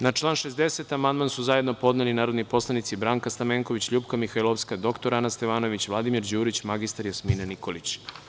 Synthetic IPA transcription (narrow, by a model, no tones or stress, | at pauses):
nat͡ʃlˠaːnʃezd̪eset̪amand̪mansuzaje̞d̪no̞po̞d̪nelinaːɾo̞d̪nipo̞slˠanit̪sibɾaːŋkast̪ameːŋkoʋit͡ɕʎuːpkamixailˠofskad̪o̞kt̪oɾanast̪eʋaːno̞ʋit͡ɕʋlˠad̪imiɾd͡ʑuːɾit͡ɕmaɡist̪aɾjosmiːnaniko̞lit͡ɕ